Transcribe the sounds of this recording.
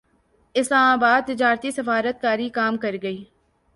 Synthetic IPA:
ɪslaːmaːbaːd̪̚t̪ɪd͡ʒaːɾt̪isɐfaːɾət̪̚kaːɾikaːmkɐɾɡɐiː

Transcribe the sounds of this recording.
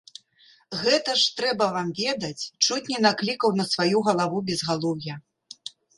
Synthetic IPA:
ɣɛt̪ɐʂt̪ɾɛbɐvamvʲɛd̪ɐt͡sʲt͡ʂut͡sʲnʲɛnaklʲikɐwnɐsvajuɣɐlˠavubʲɛzɣalˠɔwjɐ

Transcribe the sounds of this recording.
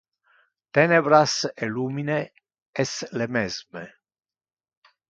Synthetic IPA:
t̪ɛnebɾaseluːmine | ɛslemɛzme

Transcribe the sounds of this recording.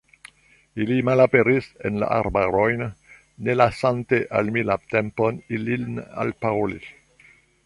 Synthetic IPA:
ilimalapeɾisenla̰ʔa̰ɾbaɾojnː | elasanteʔalmilat̪ɛmponilina̰lpaoli

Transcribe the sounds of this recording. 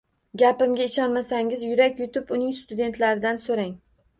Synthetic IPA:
ɡʲapɪmɡʲaɪʃɒnmasaŋʲɪzjʊɾakʲjʊt̪ɪpʊnɪŋst̪ʊd̪e̞nt̪ʰlaɾɪd̪ansoɾaŋ

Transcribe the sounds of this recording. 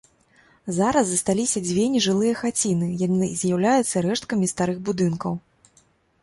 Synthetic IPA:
zaɾɐzːɐst̪alʲisʲɐd͡zʲvʲenʲiʐɨlˠɨjɐxat͡sʲinɨjanɨzʲjawlʲajut̪sːɐɾɛʂt̪̚kɐmʲist̪aɾɨɣbud̪ɨnkɐw

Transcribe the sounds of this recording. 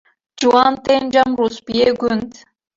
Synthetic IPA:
d͡ʒuɑnt̪enʲd͡ʒɑmruspʲieɡʲunt̪

